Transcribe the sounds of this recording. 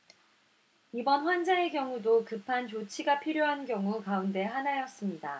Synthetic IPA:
ibʌnɸwand͡ʑae̞kjʌŋudokɯpʰant͡ɕot͡ɕʰiɡapʰiɾjoɦanɡjʌŋukaunde̞ɦanajʌs͈ɯmɲida

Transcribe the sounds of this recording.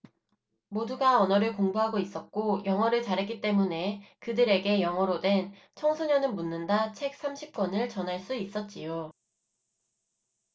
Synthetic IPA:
moduɡaʌnʌɾɯɭkoŋbuɦaɡois͈ʌt̚k͈ojʌŋɦʌɾɯɭt͡ɕaɾɦe̞k͈it͈e̞mune̞kɯdɯɾe̞ɡe̞jʌŋɦʌɾodwe̞n | t͡ɕʰʌŋsʰuɲʌnɯnmunːɯndat͡ɕʰe̞k̚s͈ʰamɕʰip̚k͈wʌnɯɭt͡ɕʌnɦaɭs͈uis͈ʌt̚t͡ɕ͈ijo

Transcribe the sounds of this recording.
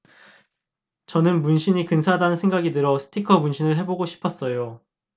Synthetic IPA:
t͡ɕʌnɯnmunɕʰiɲikɯnsʰadanɯnsʰeŋɡaɡidɯɾʌsʰɯ̥tʰikʰʌmunɕʰinɯɭɦe̞boɡoɕʰi̥pʰʌs͈ʌjo

